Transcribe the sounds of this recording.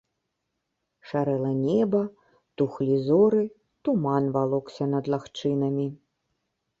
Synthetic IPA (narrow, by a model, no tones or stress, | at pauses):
ʂaɾɛlˠɐnʲɛbɐ | t̪uxlʲizɔɾɨ | t̪umanvalˠɔksʲɐnɐd̪lˠaxt͡ʂɨnɐmʲi